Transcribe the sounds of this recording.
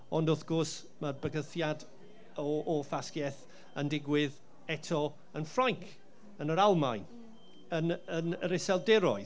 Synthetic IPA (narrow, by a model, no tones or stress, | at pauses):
ɔndʊθɡ̥ɔrs | mabəɡəθjad | ɔʔːfaskjɛθ | əndɪɡwɪð | ɛtʰɔ | ənfraŋkʰ | ənəɾalˠmajn | ənənəɾɪsɛlˠdɛɾɔɨ